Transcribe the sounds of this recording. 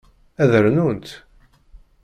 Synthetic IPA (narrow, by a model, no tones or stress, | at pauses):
æðəɾnunt̪